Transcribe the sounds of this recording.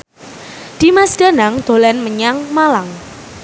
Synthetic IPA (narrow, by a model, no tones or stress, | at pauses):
d̪̥i̤masd̥a̤naŋd̪̥o̤lɛnməɲaŋmalaŋ